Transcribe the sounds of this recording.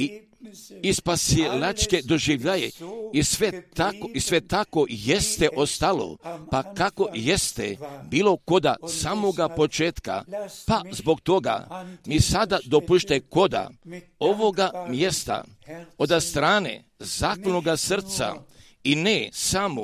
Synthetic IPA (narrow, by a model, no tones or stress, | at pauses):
i | ispaselat͡ʃke̞d̪o̞ʒiʋʎajḛisʋet̪akoisʋe̞t̪ako̞jest̪eʔo̞st̪alo̰pakako̞je̞st̪ḛbiːlo̞ko̞d̪a̰samoɡapo̞t͡ʃeːt̪ka̰pazbo̞k̚t̪o̞ɡa̰misad̪ad̪o̞puʃt̪ako̞d̪a̰o̞ʋo̞ɡamje̞st̪a̰ | od̪ast̪ɾaːnḛ | zaːkonoɡasr̩t̪sa̰ | inesamo